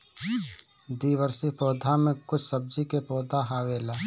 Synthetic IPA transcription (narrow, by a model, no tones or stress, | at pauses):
d̪iːwəɾsipɔːd̪ʱamẽkʊt͡ʃʰsəb̚d͡ʒikepɔːd̪ʱaɦaːweːlaː